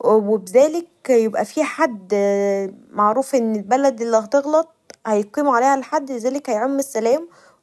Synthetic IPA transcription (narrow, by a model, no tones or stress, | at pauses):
webezæːlekjebʔæfiːħad̪ː | maʕɾuːfʔenːelbælæd̪ʔelːiɑht̪eɣlɑt̪̚ˤhæjqiːmʕaleːhælħad̪ːlezæːlekhæjʕomːesːælæːm